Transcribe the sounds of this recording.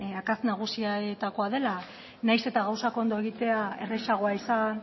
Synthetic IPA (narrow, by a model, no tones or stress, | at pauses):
akaznaɣ̞usiat̪ako̞aðe̞la | najse̞t̪aɣawsako̞nd̪o̞e̞ɣit̪e̞ae̞̰reʃaɣ̞o̞aisan